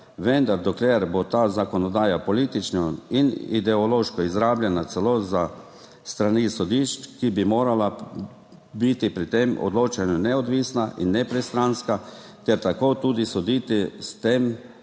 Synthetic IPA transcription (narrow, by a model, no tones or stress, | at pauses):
ʋɛnd̪aɾd̪ɔklʲeɾbot̪aːzakɔnɔd̪aːjapɔliːt̪it͡ʃnainḭd̪ɛɔloʃkɔizɾaːblʲjɛnat̪sɛloza | st̪ɾanisɔd̪iʃt͡ʃkibimoːɾala | bit̪ipɾit̪emɔ̰d̪loːt͡ʃanunɛɔd̪ʋiːsnaʔinːɛpɾɛst̪ɾanska | t̪ɛɾt̪akot̪uːd̪isɔd̪iːt̪ist̪em